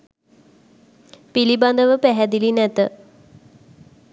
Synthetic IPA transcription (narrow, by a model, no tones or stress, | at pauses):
piliband̪əʋəpæɦɛd̪ilinɛt̪ə